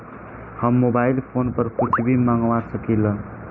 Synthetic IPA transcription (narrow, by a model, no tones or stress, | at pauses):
hʌmːobailpʰonpʌɾkʰut͡ʃʰibʱimaŋwasʌkilʌ